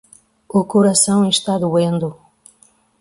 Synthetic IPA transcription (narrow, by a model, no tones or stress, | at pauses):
ukuɾɐsɐ̃w̃eʃt̪ad̪uẽnd̪u